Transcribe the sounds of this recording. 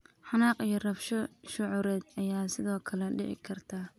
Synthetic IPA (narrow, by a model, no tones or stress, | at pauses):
ħɑnaːqijɔrɐfʃɔʃʊʕʊɾɛːd̪ɐjaːsɪðɔːkʰɐlɛɖɪ̰ʕɪ̰kʰɐrt̪ʰaː